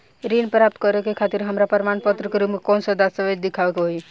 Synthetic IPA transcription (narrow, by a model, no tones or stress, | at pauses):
ɾinpɾap̚t̪kɔɾekekʰat̪iɾɦəmɾapəɾmanpət̪ɾəkeɾupmekɔnsəd̪asəbed͡ʒd̪ikʰabekeɦoj